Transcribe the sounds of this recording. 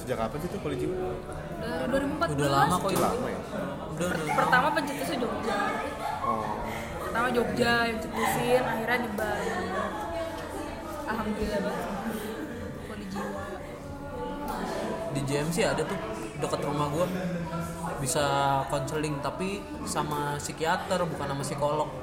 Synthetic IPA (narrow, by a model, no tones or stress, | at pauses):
səd͡ʒakat̪ansit̪ukolid͡ʒiwa | udaduaɾibumpatudalamakoiamaj | udapərdapərt̪amapəɲt͡ʃət̪usud͡ʒok̚d͡ʒa | ɔ | pərt̪amad͡ʒok̚d͡ʒajaŋsukufinahiɾad͡ʒiba | aɦamd͡ʒiaba | kodid͡ʒiwa | did͡ʒɛms̬iadat̪ʊh | dəkət̪ɾumahɡua | bisakɔnsəlɪŋt̪api | samasikiat̪ərbukanːamasikolɔk̚